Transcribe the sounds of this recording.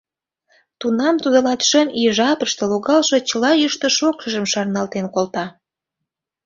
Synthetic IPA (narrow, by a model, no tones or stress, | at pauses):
t̪unɑmt̪ud̪ə̆lɑt̪ʃəmiʒɑpəʃt̪əloɣɑlʃo̽t͡ɕəlɑjəʃt̪ə̆ʃokʃəʒəmʃɑrnɑlt̪enkolt̪ɑ